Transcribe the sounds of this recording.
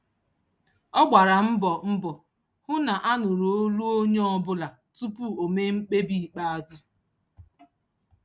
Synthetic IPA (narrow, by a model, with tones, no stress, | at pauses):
ɔ˦ɡ͡ba˨ɾa˨m̩˦bɔ˨m̩˦bɔ˨ | hʊ˦na˨ʔa˦nʊ˨ɾo˨o˦lu˦o˦ɲ˦ɔ˦bʊ˦la˨ | tu˦pu˦o˨me˦ŋ͡m̩˦k͡pe˦bi˦˨k͡pa˦a˦dʊ˦